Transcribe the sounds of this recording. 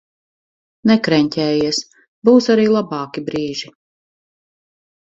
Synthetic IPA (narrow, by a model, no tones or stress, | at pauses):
nɛkɾɛɲʲcʲɛːjis | buːsaɾiːlˠabɑːkibɾiːʒi